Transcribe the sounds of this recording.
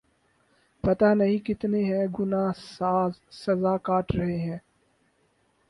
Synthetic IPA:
pɐt̪anɐɦĩkɪt̪neɦɛ̃ːɡʊnaːsaːzsɐzaːkaːʈɾɐɦeɦɛ̃ː

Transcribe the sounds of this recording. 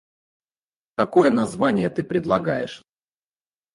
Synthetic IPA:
t̪ɐko̞jənɐzvanʲɪjət̪ɨpɾʲɪd̪lˠɐɡajɪʂ

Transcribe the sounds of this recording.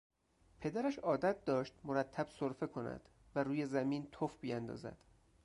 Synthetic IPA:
pʰe̞d̪æɾæʃɒːd̪æt̪̚d̪ɒːʃt̪moɾæt̪ʰːæb̥soɾfe̞kʰo̞næ̰d̪̥ | væɾuːje̞zæmiːnt̪ʰofbijænd̪ɒ̰ːzæ̰d̪̥

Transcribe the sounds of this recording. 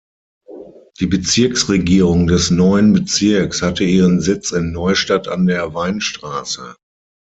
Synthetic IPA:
d̥iːbət͡sɪɐksʁeɡiːʁʊŋdɛsnɔʏənbət͡sɪɐkshatəiːʁənzɪt͡sɪnːɔʏʃtata̰ndeːɐvaɪnʃtʁ̥aːsə̰

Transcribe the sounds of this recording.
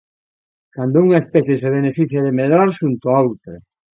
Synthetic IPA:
kand̪ouŋaespɛθjes̬eβ̞enefiθjaðemelaɾʃunt̪oaowt̪ɾa

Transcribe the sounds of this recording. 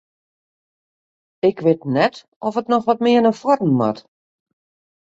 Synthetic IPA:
ɪkʰʋɪtnɛt | ɔfətnɔxʋɔt̚mɪənəfrɔtn̩ma̰t

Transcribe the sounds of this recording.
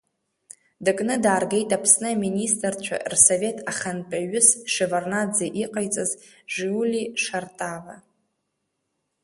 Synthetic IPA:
dɨkʼnɨdaːrɡejtʼapʰsnɨaministʼrt͡ʃʷʰa̰rsove̞tʰʼaχanpʼaɥʊsʂevarnad͡zaʔiqʼajt͡sʼaz | ʐulʲiʂartʼava

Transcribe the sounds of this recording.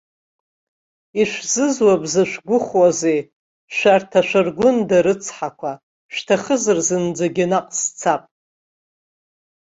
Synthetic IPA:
iʂʷzɨzwabzɨʃʷɡʷʊχwazej | ʃʷᶣartʰaʃʷɨrɡʷʊndaɾɨt͡sʰħakʷʰa | ʃtʰaχəzɨrzɨnd͡zaɡʲɪnaqʼst͡sʰapʼ

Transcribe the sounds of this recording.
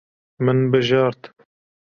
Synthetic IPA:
mɨnbɨʒɑːɾt̪

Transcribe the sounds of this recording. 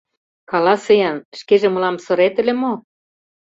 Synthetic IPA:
kɑlɑsɤjɑnʃkeʒĕmɤ̆lɑmsŏɾet̪ɘ̆lĕmo

